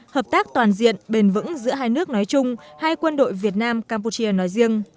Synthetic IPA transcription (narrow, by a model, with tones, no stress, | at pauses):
həː˨˩p̚t̪aː˦˥k̚t̪waː˨˩nzḭ˧˨ənɓe˨˩nvɨ̰˧˥ŋzɨ̰˧˥əɦaː˧jnɨ˦˥ək̚nɔ˨˦jt͡ɕʊ˧ŋ͡mhaː˧jkwə˧nɗo̰˧˨jvi˨˩ət̚naː˧mkaː˧mpu˧t͡ɕi˧ənɔ˨˦jzi˧əŋ